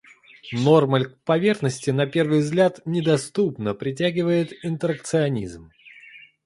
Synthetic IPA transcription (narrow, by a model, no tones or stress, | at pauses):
no̞rməlʲkpɐvʲe̞rxnəsʲtʲɪnɐpʲe̞rvɨjvzɡlʲat̪nʲɪd̪ɐst̪upnəpɾʲɪt̬ʲæɡʲɪvəjɪt̪ɪnt̪əɾək̚t̪sɨɐnʲḭzm